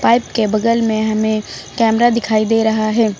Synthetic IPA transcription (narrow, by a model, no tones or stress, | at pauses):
paːɪpkebɐd̪əlmẽɦɐmẽ | kɛːmɾad̪ɪkʰaːid̪eːɾɐɦaɦɛː